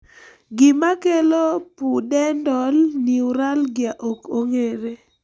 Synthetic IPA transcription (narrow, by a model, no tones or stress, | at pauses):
ɡɪmakelopudɛndɔlniuɾalɡɪaʔokoŋeɾe